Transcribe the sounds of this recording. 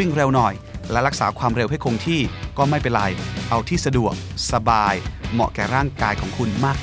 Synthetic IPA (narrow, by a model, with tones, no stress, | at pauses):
i˥˩ŋɾe˧wnɔ˨˩j | lɛ˦˥ɾa˦˥k̚saː˩˦kʰwaː˧mɾe˧wɦa˥˩jkʰo˧ŋt̪ʰiː˥˩kɔː˥˩ma˥˩jpe˧nla˧jʔa˧wt̪ʰiː˥˩sa˧du˨˩ək̚sa˧baː˧jmɔ̰˨˩ʔkɛː˨˩ɾaː˥˩ŋkaː˧jkʰɔː˩˦ŋkʰu˧nmaː˥˩k̚